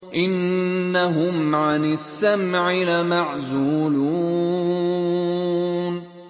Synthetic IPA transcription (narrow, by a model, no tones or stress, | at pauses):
ʔɪnːaɦʊmʕanɪsːamʕɪlamaʕzuːlu | n